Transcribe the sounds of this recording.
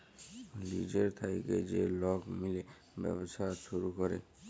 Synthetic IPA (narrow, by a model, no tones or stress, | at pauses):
liːɖəɾt̪ʰaiked͡ʒelɔːkmɪle | bjə̰bsasuɾukɔɾḛ